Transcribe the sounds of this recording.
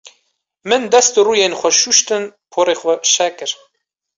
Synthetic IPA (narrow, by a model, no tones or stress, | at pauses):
mɨnd̪ɛst̪uruːjenxʷɛʃuʃt̪ɨnpʰoːɾeːxʷɛʃɛkɨɾ